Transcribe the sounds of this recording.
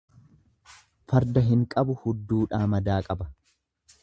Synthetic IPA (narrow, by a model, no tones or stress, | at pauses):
fɐɾd̪ɐɦɪŋkʼɐbʊhʊd̪ːuːᶑaːmɐd̪aːkʼɐbɐ̥